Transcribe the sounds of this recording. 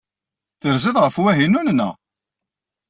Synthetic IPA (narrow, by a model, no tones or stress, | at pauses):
θəɾzəðʁəfwæɦinunnə̰